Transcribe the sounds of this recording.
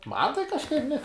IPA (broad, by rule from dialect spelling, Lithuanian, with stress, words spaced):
ˈmɐn tɐɪ kɐʃˈkɐɪp nʲɛ